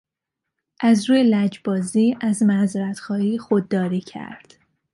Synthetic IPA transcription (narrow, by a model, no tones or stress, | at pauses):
ʔæzɾuːjelæd͡ʒbɒːziːæzmæzeɾæt̪xɒːhiːxod̪ːɒːɾiːcʰæ̰ɾd̪̥